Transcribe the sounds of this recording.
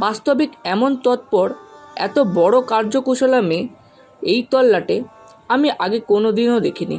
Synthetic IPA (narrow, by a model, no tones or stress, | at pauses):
bast̪obikɛmont̪ɔt̪̚pɔɾɛ̰t̪obɔɽokaɾd͡ʑokuʃolamẽ | ejt̪ɔlːaʈe | amiʔaɡekonod̪inod̪ekʰinḭ